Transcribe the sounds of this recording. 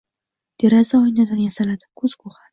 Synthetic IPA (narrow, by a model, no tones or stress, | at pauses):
d̪̥eɾazaɒjnad̪anjasalad̪ɪ̥kʰɵzkʰoχa